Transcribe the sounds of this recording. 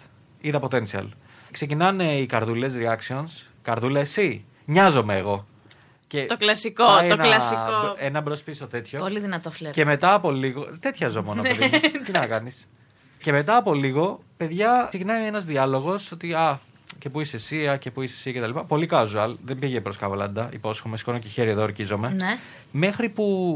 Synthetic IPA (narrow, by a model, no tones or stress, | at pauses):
iðɐpo̞t̪e̞nsiɐ̰l | kse̞cinɐneikɐɾðule̞s̬ɾiɐksio̞ns | kɐɾðulesi | ɲɐzo̞meːɣo̞ | ce̞t̪oklɐsikoeonɐlɐsikoenɐbɾospisot̪e̞t̪ço̞poliðinɐt̪oflee̞me̞t̪ɐːpo̞liɣo̞t̪e̞t̪çɐzo̞monnot̪innɐkɐnis | ce̞me̞t̪ɐːpo̞liɣo̞ | pe̞ðʝɐsiɣnɐie̞nɐzðiɐlo̞ɣo̞sot̪iɐ | ce̞puisesiɐce̞puisesiɐcet̪ɐlipɐpo̞likɐzuɐlðembiʝepɾoskɐvɐlɐ̰nd̪ɐḭpo̞sxomesi̥konociçeɾieðoɾcizo̞me̞ne | me̞xɾipu